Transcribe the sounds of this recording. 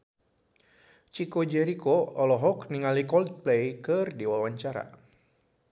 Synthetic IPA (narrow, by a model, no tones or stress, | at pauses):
t͡ʃikod͡ʒɛɾikoɔlɔɦɔkniŋalikɔld̪̚plejkɨrdiwawaɲt͡ʃaɾa̰